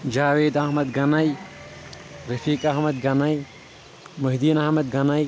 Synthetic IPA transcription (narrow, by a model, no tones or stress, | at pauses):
d͡ʒaːʋeːd̪aɦmɐd̪ɡɐnɐj | ɾɐfiːkaɦmɐd̪̚ɡɐnɐj | mɐɦd̪iːnahmɐd̪̚ɡɐnɐj